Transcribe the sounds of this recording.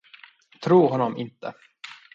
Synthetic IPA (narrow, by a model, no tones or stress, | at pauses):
t̪ʰɾuːɾɦɔnːɔmʔɪnt̪ə̰